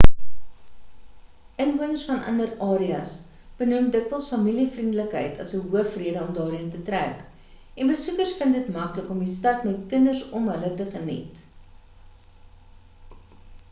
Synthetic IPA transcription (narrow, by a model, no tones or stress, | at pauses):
ənvuənərsfɐnʔɐ̰ndərɑːɾiɐs | b̥ənumdəkvəlˠsfɐmilifrindələkɦə̰jtʰɐ̰səɦuəfriədəɔmdɑːɾiəntətræ̰k | ɛnbəsukərsfəndətmɐkləkɔmistɐtmɛtkəndərsɔmɦələtəχənḭt